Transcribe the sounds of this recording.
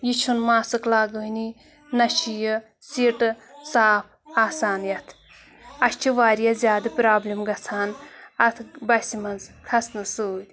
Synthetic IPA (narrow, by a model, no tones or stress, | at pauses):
jit͡ʃʰunmaːsɨklaːɡəɦini | nɐʃijə | siʈsaːpʰaːsaːnjɐt̪ʰ | ɐʃt͡ʃʰiʋaːɾjazʲjaːd̪ɨpʲɾaːblʲimɡɐt͡sʰaːnɐt̪ʰbɐsimɐnzkʰɐsnɨsuːd̪ʲ